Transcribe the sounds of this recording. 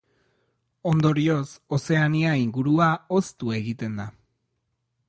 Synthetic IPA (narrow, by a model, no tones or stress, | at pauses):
o̞nd̪o̞ɾio̞so̞se̞aniaiŋɡuɾuao̞st̪ue̞ɣit̪e̞nd̪a